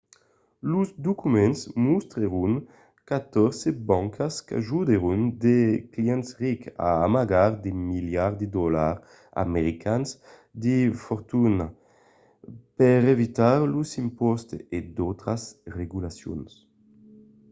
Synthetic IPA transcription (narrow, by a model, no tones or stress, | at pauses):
luzd̪ukumɛnsmust̪ɾeʁuŋ | kat̪ɔɾsebaŋkʰaska̰ʒud̪eɾund̪ekliɛnt̪sʁika̰amaɡaɾd̪emiljaʁd̪ed̪ɔlaʁ | a̰meɾikʰans | d̪ifɔɾt̪una | pɛʁevit̪aɾlusimpɔst̪ed̪ɔt̪ɾasreɡulasjo̰ns